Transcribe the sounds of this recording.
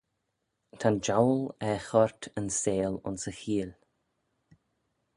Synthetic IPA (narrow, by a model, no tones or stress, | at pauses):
t̪ʰand͡ʒawlɛxɔɹt̪ʰənseːlʊ̰nsəxiːl